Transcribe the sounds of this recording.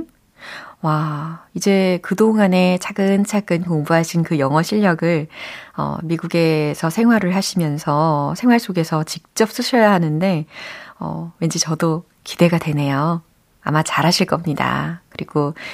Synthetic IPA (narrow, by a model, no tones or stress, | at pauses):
waid͡ʑe̞kɯdoŋɦane̞t͡ɕʰaɡɯnt͡ɕʰaɡɯnkoŋbuɦaɕʰinkɯjʌŋʌɕʰiʎːʌɡɯɭʌ̰miɡuɡe̞sʰʌsʰe̞ŋɦwaɾɯɭɦaɕʰimjʌnsʰʌsʰe̞ŋɦwaɭs͈oɡe̞sʰʌt͡ɕik̚t͡ɕ͈ʌp̚s͈uɕʰʌjaɦanɯnde̞ʌ̰we̞nd͡ʑit͡ɕʌdo | kide̞ɡadwe̞ne̞jo | a̰mat͡ɕaɾɦaɕʰiɭk͈ʌmɲida̰kɯɾiɡ̥o